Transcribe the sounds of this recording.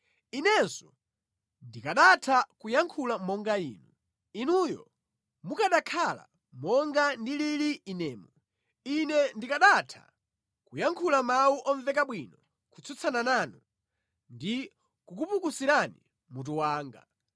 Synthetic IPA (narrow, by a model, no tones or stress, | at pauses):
inɛnsɔ | ndikaɗatʰakujaŋkʰulamɔŋɡaḭːnu | inujɔ̰ | mukaɗakʰala̰ | mɔŋɡandililiinɛːmɔ | inɛndikaɗatʰa̰ | kujaŋkʰulamawuʔɔɱvɛkaɓwinɔ | kut͡sʰut͡sʰanananu | ndi | kukupukusiɾani | mut̬uwaːŋɡa̰